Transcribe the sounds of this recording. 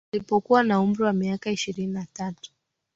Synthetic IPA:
lipɔkuwanaum̩ɾiwamiakaiʃiɾininatatu̥

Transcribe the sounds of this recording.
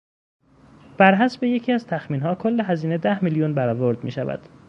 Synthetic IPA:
b̥æɾɦæsbe̞je̞cʰiːæzt̪ʰæxmiːnɦɒːkʰolːe̞ɦæziːne̞d̪æhmiljunbæɾɒːvoɾd̪miːʃævæ̰d̪̥

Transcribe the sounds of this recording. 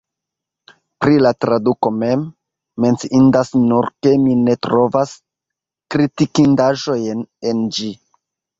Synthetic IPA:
pɾilatɾaduko̞me̞mː | e̞nt͡siʔindasnuɾke̞mine̞tɾo̞vas | kɾitikindaʒo̞jne̞nd͡ʒi

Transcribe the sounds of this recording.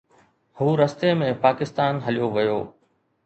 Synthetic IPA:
huːɾɐst̪emẽpaːkɪst̪aːnɦɐlijoʋɐjoː

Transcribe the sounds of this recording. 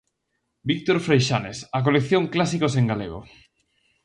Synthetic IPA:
bik̚t̪oɾfɾejʃanesak̬olekθjoŋklasikoseŋɡalḛɣo̰

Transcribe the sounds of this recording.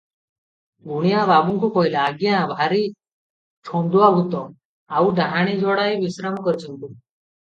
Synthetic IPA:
ɡuɽ̃ijababuŋkukɔɦilaːɡjãbʱaɾi | t͡ʃʰond̪uʋabʱut̪ɔ | auɖʱaɦaɽ̃id͡ʒɔɽaibisɾamɔkɔɾit͡ʃʰənt̪u

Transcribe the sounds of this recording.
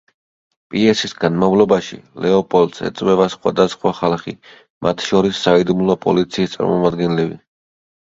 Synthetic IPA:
pʼiɛsisɡanmavlˠɔbaʃḭlɛɔpʼɔlt̪sɛ̰t̪sʼwɛvasχwa̰d̪asχwaχalˠχḭ | mʔat̪ʰʃɔɾisːaid̪umlˠɔpʼɔ̰lit̪sʰiːst̪sʼa̰ɾmɔmad̪ɡɛnlɛbḭ

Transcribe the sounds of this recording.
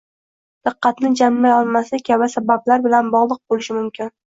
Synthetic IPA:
d̪̥ɨqːɑt̪nɪd͡ʒamːajɒlˠmasɪkʲʰabasabablaɾbɪlanbɒʁlˠɨq̚bolɪʃɪmʊmkʲɪn

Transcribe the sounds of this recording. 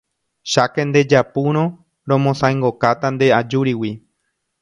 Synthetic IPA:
ʃakend̪e̞d͡ʒapuɾ̃õ | ɾõmõsãẽŋɡokat̪and̪e̞ad͡ʒuɾiwi

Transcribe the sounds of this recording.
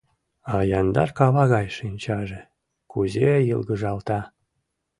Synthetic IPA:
ɑjɑnd̪ɑ̰rkɑβɑɣɑjʃinʲt͡ɕɑʒe | kuzejɯlɣəʒɑlt̪ɑ

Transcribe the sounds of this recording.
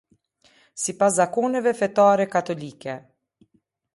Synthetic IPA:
sipas̬zakɔnɛvɛfɛt̪aɾɛkat̪ɔlikɛ

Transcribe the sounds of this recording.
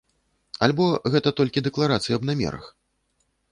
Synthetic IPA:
a̰lʲbɔɣɛt̪ɐt̪ɔlʲkʲid̪ɛklˠaɾat̪sɨjiɐbnamʲɛ̰ɾɐ̰x

